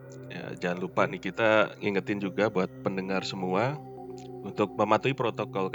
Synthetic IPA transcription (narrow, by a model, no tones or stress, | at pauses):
ja̰d͡ʒalupaʔnɪhkit̪aŋiŋət̪ɪnd͡ʒuɡabuat̪̚pəndəŋarsəmua | unt̪ʊk̚məmat̪uipɾot̪okɔlk